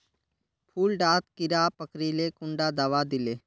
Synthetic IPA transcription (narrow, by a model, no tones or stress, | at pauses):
pʰuːlɖaːt̪kɪɾaːpəkɾilekʊ̃ɳɖad̪aʋad̪ɪleː